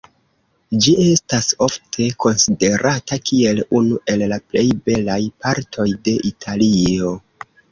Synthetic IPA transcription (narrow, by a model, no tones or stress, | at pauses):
d͡ʒie̞staso̞ftʰe̞ko̞nside̞ɾʔatakie̞lunuʔe̞llaple̞jbe̞lajpaɾtʰo̞jde̞ʔitʰalio̞